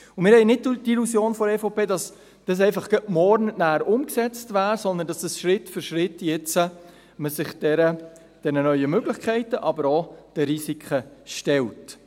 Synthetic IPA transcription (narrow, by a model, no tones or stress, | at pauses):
ʊmɪːɾhɛɪnɪd̚d̥ilusjoːnfɔɛfopʰeːdɑs | d̥ɑs̬ɛɪfɑχɡ̥əʔmɔɾnnæːɾʊmksɛt͡stvæːɾsɔnd̪əndɑsdəsʃɾɪtːfʏɾʃɾɪtːjɛt͡sə | məsɪχd̥ɛɾə | d̥ɛnənœʏəmøɡ̥lɪχkʰɛɪtəʔɑbəɾɔd̥əɾisikʰəʃtɛlt